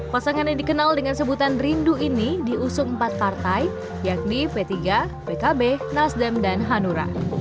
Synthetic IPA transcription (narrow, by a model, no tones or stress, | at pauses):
pasaŋanɲadikənaldəŋansəbut̪anrinduinidiusʊŋmpat̪̚part̪aj | jak̚nipet̪iɡa | pekabenasdɛmdanɦanuɾa̰